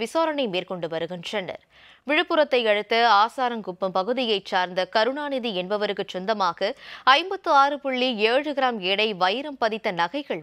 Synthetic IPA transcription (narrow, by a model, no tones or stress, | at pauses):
ɪsoːɾɐɳɐɪmeːɾkɔɳɖɯʋɐɾɯɣɯmt͡ʃɐnːɐ̰ɾ | ʋɪɻɯpːɯɾɐt̪ːɐɪɐɻɯt̪ːɐaːsaːɾɐmɡʊpːɐmpɐɣɯðɪjɐɪt͡ʃːaːɾnd̪ɐkɐɾɯɳaːnɪðiɛnbɐʋɐɾɯkːɯt͡ʃːɔnd̪ɐmaːɣɐɐɪmbɐt̪ːɯaːɾɯpʊɭːieːɻɯɣɪɾaːmɛɽɐɪʋɐjɾɐmpɐðɪt̪ːɐnɐɣɐɪɣɐɭ